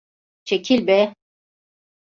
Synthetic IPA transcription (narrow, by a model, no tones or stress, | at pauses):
t͡ʃecʲʰilʲbɛ